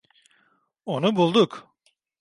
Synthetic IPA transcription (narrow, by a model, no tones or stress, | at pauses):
onubulˠd̪uk